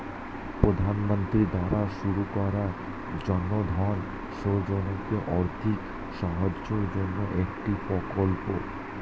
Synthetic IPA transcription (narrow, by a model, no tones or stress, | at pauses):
pɾod̪ʱanmə̃nt̪ɾid̪aɾaʃuɾukɔɾa | d͡ʒɔnmod̪ʱɔn | ʃod͡ʒonokeʔɔɾt̪ʰik | ʃɔɦəd͡ʒt͡ʃod͡ʒɔnːoʔekʈipɔkɔlpo̰